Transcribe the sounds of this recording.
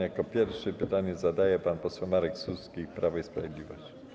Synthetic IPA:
jakɔpʲjɛɾfʂɛpɘt̪aɲɛzad̪ajɛpanpɔswɛwmaɾɛksuskʲipɾavaispɾavʲjed̪lʲivɔ̰ɕt͡ɕi̥

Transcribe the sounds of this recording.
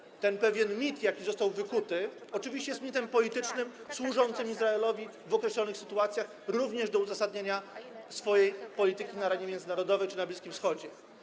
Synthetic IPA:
t̪ɛnpɛvʲjɛnmʲit̪jakʲizɔst̪awvɘkut̪ɘ | ɔt͡ʂɘvʲiɕt͡ɕɛjɛst̪mʲit̪ɛmpɔlʲit̪ɘt͡ʂnɘmswuʐɔnt̪sɘmizɾaɛlɔvʲi | vɔkɾɛɕlɔnɘxsɘt̪uat̪sʲjax | ɾuvɲɛʐd̪ɔuzasad̪̚ɲaɲa | sfɔjejpɔlʲit̪ɘkʲinaɾaɲɛmʲjɛnd̪zɘnaɾɔd̪ɔvɛjt͡ʂɘnablʲiskʲimfsxɔd͡ʑɛ

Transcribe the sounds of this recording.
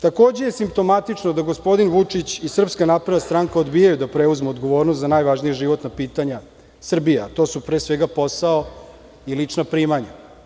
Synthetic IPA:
t̪ako̞ːd͡ʑejesimp̚t̪o̞mat̪it͡ʂnod̪aɡospo̞d̪inʋut͡ʂit͡ɕisr̩pskanaːpɾed̪d̪ast̪ɾaŋkao̞d̪bijajud̪apɾeuzmeod̪ɡo̞ʋo̞ːɾnost̪zanajʋaʒnijaʐiʋo̞t̪napiːt̪aɲa | sr̩bijaat̪o̞ːsupɾeːsʋeɡapo̞sao̞ | ilit͡ʂnapɾiːmaɲa

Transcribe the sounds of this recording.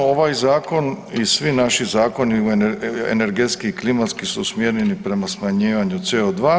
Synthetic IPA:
oʋajzaːko̞nisʋinaʃizaːko̞niuḛne̞ɾɡet̪skiklimat̪skisusmjeɾenipɾe̞masmaɲiːʋaɲut̪se̞od̪ʋaː

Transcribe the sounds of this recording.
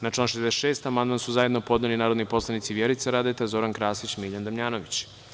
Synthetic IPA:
nat͡ʃlanʃed̪se̥ʃe̞ːst̪amand̪mansuzaje̞d̪nopo̞d̪nelinaːɾo̞d̪nipo̞slˠanit̪siʋjeɾit̪seɾaːd̪et̪ezo̞ɾankɾaːsit͡ɕmiʎand̪amʎaːno̞ʋit͡ɕ

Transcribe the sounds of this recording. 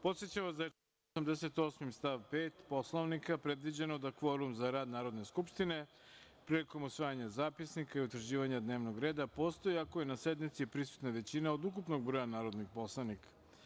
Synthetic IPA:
po̞t̪sjet͡ɕaʋasd̪a | osamd̪ese̞t̪o̞smimst̪aʋpeːt̪po̞slˠoʋnikapɾe̞d̪ʋid͡ʑenod̪akfo̞ɾumzaɾaːd̪naːɾo̞d̪ne̞skupʃt̪ine̞ | pɾiliko̞musʋaːjaɲazaːpisnikaiut̪ɾ̩ʑiːʋaɲad̪ne̞ːʋno̞ɡɾe̞ːd̪apo̞ːst̪ojiakojenased̪mit̪sipɾisu̥t̪naʋe̞t͡ɕinaod̪ukupno̞ɡ̚bɾojanaːɾo̞d̪nipo̞slˠanikḁ

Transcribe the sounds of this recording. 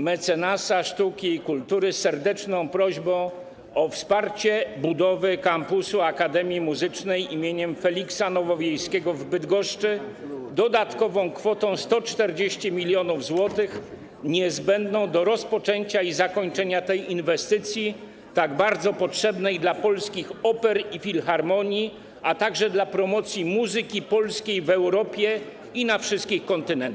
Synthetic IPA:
mɛt̪sɛnasaʂt̪ukʲiːkult̪uɾɘsɛɾd̪ɛt͡ʂnɔ̃w̃pɾɔʑbɔ̃w̃ | ɔfspaɾt͡ɕɛbud̪ɔvɘkampusuakad̪ɛmʲjimuzɘt͡ʂnɛjimʲjeɲɛmfɛlʲiksanɔvɔvʲjejskʲɛɡɔvbɘd̪ɡɔʂt͡ʂɘ | d̪ɔd̪at̪kɔvɔ̃w̃kfɔt̪ɔ̃w̃st̪ɔt͡ʂt̪ɛɾd͡ʑeɕt͡ɕɛmʲilʲjɔnuvzwɔt̪ɘx | ɲɛzbɛnd̪nɔ̃w̃d̪ɔɾɔspɔt͡ʂɛɲt͡ɕaizakɔɲt͡ʂɛɲat̪ɛjinvɛst̪ɘt̪sʲji | t̪aɡbaɾd̪zɔpɔtʂɛbnɛjd̪lapɔlskʲixɔpɛɾifʲilxaɾmɔɲi | ʔat̪aɡʐɛd̪lapɾɔmɔt̪sʲjimuzɘkʲipɔlskʲejvɛwɾɔpʲjɛ | inafʂɘst̪̚kʲixkɔnt̪ɘnɛnt̪

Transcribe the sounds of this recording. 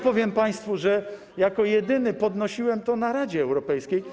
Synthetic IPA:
pɔvʲjɛmpaj̃st̪fuʐɛ | jakɔjɛd̪ɘnɘpɔd̪nɔɕiwɛmt̪ɔnaɾad͡ʑɛːwɾɔpɛjskʲej

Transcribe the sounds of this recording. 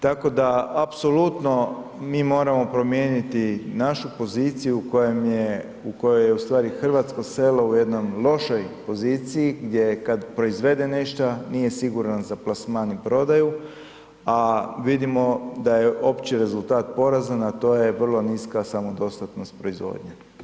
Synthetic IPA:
t̪ako̞d̪aapso̞lˠut̪no̞miːmo̞ːɾamo̞pɾo̞mje̞ːnit̪inaʃupo̞zit̪sijuːkojemje | uko̞jojeust̪ʋaːɾixr̩ʋat̪skose̞lo̞uje̞d̪nomlˠo̞ʃo̞jpo̞ziːt̪sijiɡd̪je̞kad̪pɾo̞izʋe̞d̪e̞neʃt̪aniːje̞siɡuɾanzaplˠasmaːnipɾo̞d̪aju | aʋid̪imo̞d̪aje̞ʔo̞pt͡ʃiɾe̞zult̪aːt̪po̞ɾazanat̪o̞ːje̞ʋr̩lˠo̞niskasamod̪o̞st̪at̪no̞st̪̚pɾo̞izʋo̰ːd̪ɲa

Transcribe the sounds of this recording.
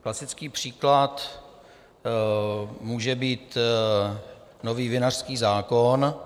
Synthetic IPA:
klasɪt͡skiːpr̝̥iːklat̪ | muːʒɛbiːt̪ | noviːvɪnar̥skiːzaːkon

